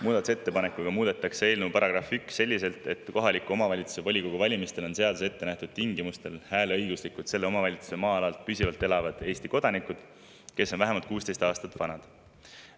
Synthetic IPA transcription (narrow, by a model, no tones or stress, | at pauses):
muːd̪ɑt̪u̥se̞t̪ːe̞pɑnekːˑuɡ̥ɑmuːd̪̥et̪ːˑɑksee̞ːlneupɑɾɑɡ̥rɑfyksːe̞lʲːise̞lt̪ˑe̞t̪ːˑko̞ɦɑlikːuo̞mɑvɑlʲit̪su̥sevolʲiko̞ɡ̥uvɑlʲimist̪e̞lo̞nse̞ɑd̪̥use̞t̪ːe̞næht̪ud̪̥t̪iŋɡimust̪e̞lhæːlɤjɡuslikːud̪se̞lːe̞o̞mɑvɑlʲit̪su̥se̞mɑːɑlɑlt̪̚pysivɑlt̪ːˑe̞lɑvɑd̪̥e̞ːst̪iko̞d̪̥ɑnikud̪̥ | ke̞sːo̞nvæɦemɑlt̪̚kuːst̪e̞jst̪ɑːst̪ɑt̪ːvɑnɑd̪̥